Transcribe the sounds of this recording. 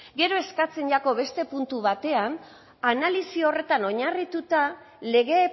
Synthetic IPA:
ɡe̞ɾo̞e̞skat͡se̞nʎako̞βe̞st̪e̞punt̪uβat̪e̞an | analisio̞re̞t̪ano̞ɲarit̪ut̪a | le̞ɣe̞ː

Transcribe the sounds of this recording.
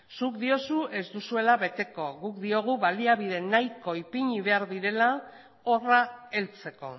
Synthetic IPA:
sukd̪io̞sue̞zd̪usue̞laβe̞t̪e̞ko̞ɣukd̪io̞ɣ̞uβaliaβið̞e̞najko̞ipiɲiβe̞aɾðiɾe̞la | o̞rae̞lt͡se̞ko̞̰

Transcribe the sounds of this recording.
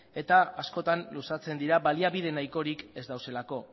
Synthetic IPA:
e̞t̪aasko̞t̪anlusat͡se̞nd̪iɾaβaliaβiðe̞najko̞ɾike̞zd̪awse̞lako̞

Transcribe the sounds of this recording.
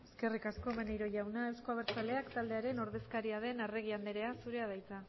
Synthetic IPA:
eske̞rikasko̞menejɾo̞ʝawnae̞wsko̞aβeɾt͡sale̞akt̪ald̪e̞aɾe̞no̞ɾð̞e̞skaɾiað̞e̞nareɣ̞iand̪eɾe̞asuɾe̞að̞ajt͡sa

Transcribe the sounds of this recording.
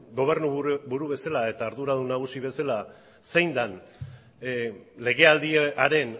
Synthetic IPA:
ɡo̞β̞e̞rnubuɾuβe̞salae̞t̪aːɾðuɾaðunaɣ̞usiβe̞sala | se̞jnd̪an | le̞ɣ̞e̞ald̪iaɾe̞n

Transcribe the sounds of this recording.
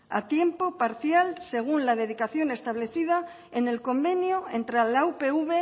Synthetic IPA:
a̰t̪je̞mpo̞paɾθjalse̞ɣ̞unlaðe̞ð̞ikaθjo̞ne̞st̪aβle̞θið̞a | ene̞lko̞mbe̞njoent̪ɾalawpeuβe

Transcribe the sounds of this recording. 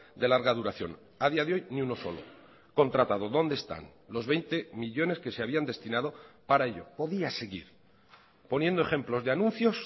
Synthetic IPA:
d̪e̞laɾɣaðuɾaθjo̞̰n | aðiaðeo̞jniuno̞so̞̰lo̞̰ | ko̞nt̪ɾat̪aðo̞ðo̞nd̪est̪a̰nlo̞zβe̞jnt̪e̞miʎo̞ne̞ske̞seaβ̞iand̪e̞st̪inað̞o̞paɾaeʎo̞̰po̞ðiase̞ɣḭɾ | po̞nje̞nd̪oxe̞mplo̞zðeanũnθjo̞s

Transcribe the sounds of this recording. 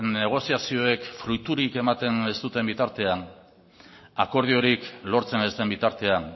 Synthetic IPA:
nːe̞ɣ̞o̞siasio̞e̞kfɾujt̪uɾike̞mat̪e̞ne̞st̪ut̪e̞mbit̪aɾt̪e̞an | ako̞ɾð̞io̞ɾiklo̞ɾt͡se̞ne̞st̪e̞mbit̪aɾt̪e̞an

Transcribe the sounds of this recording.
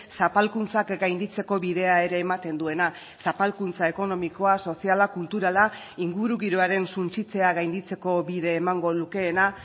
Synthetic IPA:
sapalkunt͡sakɡajnd̪it͡se̞ko̞βiðe̞ae̞ɾe̞ːmat̪e̞nd̪ue̞na | sapalkunt͡sae̞ko̞no̞miko̞aso̞sialakult̪uɾala | iŋɡuɾuɣiɾoaɾe̞nsunt͡sit͡se̞aɣajnd̪it͡se̞ko̞βiðe̞ːmaŋɡo̞luke̞ːna

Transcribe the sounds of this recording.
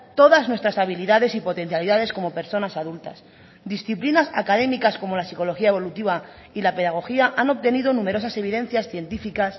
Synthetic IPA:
t̪o̞ðaznwe̞st̪ɾasaβ̞iliðaðe̞sipo̞t̪e̞n̟θjaliðaðe̞sko̞mo̞pe̞ɾso̞nasaðult̪a̰s | d̪isθiplinasakaðe̞mikasko̞mo̞lasiko̞lo̞xiae̞βo̞lut̪iβa | ilape̞ðaɣ̞o̞xiaʔano̞p̚t̪e̞niðonũme̞ɾo̞s̬ase̞β̞iðe̞n̟θjasθje̞nt̪ifikas

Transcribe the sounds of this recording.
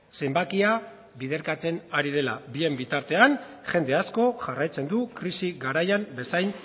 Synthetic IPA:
se̞mbakia | βið̞e̞ɾkat͡se̞naɾið̞e̞la̰bie̞mbit̪aɾt̪e̞an | ʝe̞nd̪e̞asko̞ʝarajt͡se̞nd̪ukɾisiɣaɾajambe̞sajn

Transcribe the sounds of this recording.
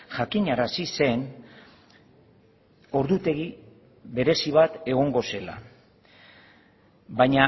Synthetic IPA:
ʝakiɲaɾasise̞n | o̞ɾðut̪e̞ɣi | βe̞ɾe̞siβ̞at̪e̞ɣ̞o̞ŋɡo̞se̞la̰ | βajɲa

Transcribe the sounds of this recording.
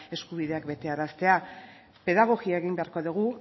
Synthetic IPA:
e̞skuβ̞iðe̞akbe̞t̪e̞aɾast̪e̞a | pe̞ðaɣ̞o̞ɣiaeɣimbe̞aɾko̞ðuɣu

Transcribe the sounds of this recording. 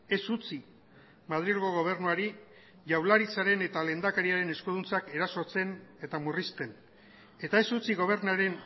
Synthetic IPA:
e̞sut͡si | mað̞ɾilɣo̞ɣ̞o̞β̞e̞ɾnuaɾi | ʝawlaɾit͡saɾe̞ne̞t̪ale̞ːnd̪akaɾiaɾe̞ne̞skuð̞unt͡sake̞ɾaso̞t͡se̞ne̞t̪amurist̪e̞n | e̞t̪ae̞sut͡siɣo̞β̞e̞ɾnaɾe̞n

